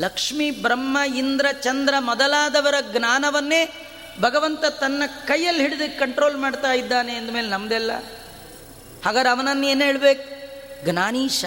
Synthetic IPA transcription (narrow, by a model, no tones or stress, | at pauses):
lɐkʂmibɾɐmːɐind̪ɾɐt͡ʃɐnd̪ɾɐmɐd̪ɐlaːd̪ɐʋɐɾɐɡnaːnɐʋɐnːe̞ː | bʱɐɡɐʋɐnt̪ɐt̪ɐnːɐkɐjːɐlːɦiɽid̪ɐkkːɐɳʈɾo̞ːlmaːɖt̪aːjid̪ːaːneːnd̪ume̞ːlenɐmɐd̪ɛlːɐ̰ | haːɡaːɾeɐʋɐnɐnːueːnɦeːɭbeːkuɡnaːniːʃ